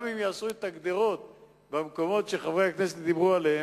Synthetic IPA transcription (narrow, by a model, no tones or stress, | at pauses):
mimjaːsuet̪aɡd̪eʁo̞t̪ | bamko̞mo̞t̪ʃeχavʁehakneset̪̚d̪ibʁualehe